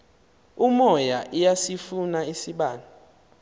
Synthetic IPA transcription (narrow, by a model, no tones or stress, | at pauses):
umɔjaʔijasifunaisiɓaːna